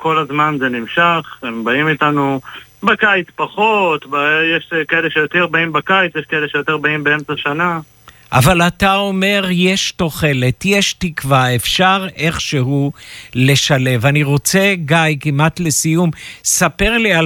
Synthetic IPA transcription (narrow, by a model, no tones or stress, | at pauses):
ko̞lazmanzenimʃaχembaimitanubekajt͡spaχo̞t̪bajeʃkaeleʃejot̪eʁbaimbakajt͡sjeʃkaele̞ʃejot̪eʁbaimbeemt͡saʃana | ʔa̰valatao̞me̞ʁje̞ʃto̞χe̞le̞tjeʃtikvaefʃaʁe̞χʃe̞ɦule̞ʃale̞vaniʁo̞t͡se̞ɡajkimat̪le̞sijumsape̞ʁlia